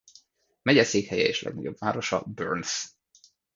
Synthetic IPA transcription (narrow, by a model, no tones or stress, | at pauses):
mɛɟɛseːkhɛjɛeːʃlʔɛ̰ɡnɒɟo̞bvaːɾo̞ʃɒ̰børns